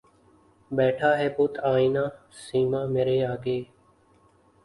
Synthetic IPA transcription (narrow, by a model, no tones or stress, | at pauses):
ɓɛːʈʰaːɦeːpoːt̪ʰaːĩːnãː | siːmãːmeːɾeːaːɡeː